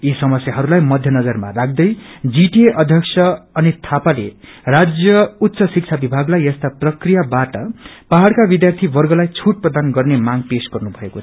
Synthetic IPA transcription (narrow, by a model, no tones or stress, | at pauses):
isʌmʌsjaɦʌɾulajmʌd̪ʱjʌnʌd͡zʌrma̰raɡ̚d̪ʌjd͡ziʈieʔʌd̪ʱjʌksʰʌʌnit̪ʰapalḛrad͡zjʌut̪ːsʌsik̚t͡sʰabibʱaɡlajʌst̪aprʌkrijabaʈʌpaɦaɽkabid̪jart̪ʰibʌrɡʌlajt͡sʰuʈ̚prʌd̪anɡʌrnemaɡpesɡʌrnubʱʌeko